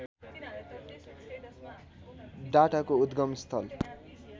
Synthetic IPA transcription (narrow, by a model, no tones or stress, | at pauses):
ɖaʈakoud̪ɡʌmst̪ʰʌl